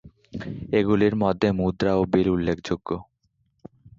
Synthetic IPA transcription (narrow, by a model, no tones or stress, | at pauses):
eɡuliɾmɔd̪ʱːemud̪ɾaobiɾulːekʰd͡ʑoɡːo